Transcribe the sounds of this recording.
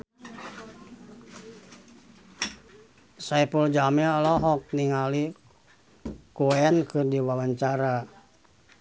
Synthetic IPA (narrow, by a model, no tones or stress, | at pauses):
sajpuld͡ʒamialɔɦɔk̚niŋali | kuɛnkɨrdiwawaɲt͡ʃaɾa